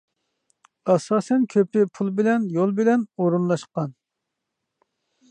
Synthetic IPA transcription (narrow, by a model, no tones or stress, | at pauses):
ɑsɑːsɛnkʲʰøpɪpʰulˠbɪlɛnjolˠbɪlɛnoɾunlˠɑʃqɑn